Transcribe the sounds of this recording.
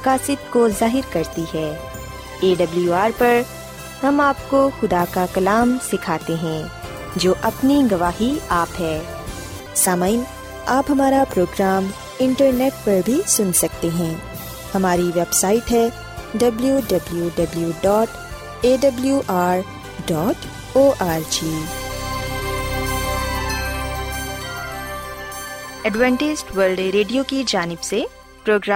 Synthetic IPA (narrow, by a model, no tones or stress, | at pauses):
kaːsɪt̪̚kozaːɦɪɾkɐɾt̪iɦɛː | eːɖɐbljuaːɾpɐɾ | hɐmaːp̚koxʊd̪akakɐlaːmsɪkʰaːt̪eɦɛ̃ː | d͡ʒoːʔɐpniɡɐʋaːɦiaːpɦɛː | saːmaːɪn | aːpɦɐmaːɾapɾoːɡɾaːm | ɪ̃ɳʈəɾneːʈ̚pɐɾbʱisʊnsɐk̚t̪eɦɛ̃ː | hɐmaːɾiʋebsaːɪʈɦɛː | ɖɐbljuɖɐbljuɖɐbljuɖɔːʈ | eːɖɐbljuʔaːɾ | ɖɔːʈ | oːʔaːɾd͡ʒiː | ɛɖʋɛ̃ːɳʈɪd͡ʒʈʋəlɖɾeːɖijokid͡ʒaːnɪbse | pɾoːɡɾa